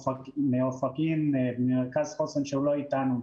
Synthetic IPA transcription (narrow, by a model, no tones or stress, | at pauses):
ameofakimbmeʁkazχosenʃeuloit̪anu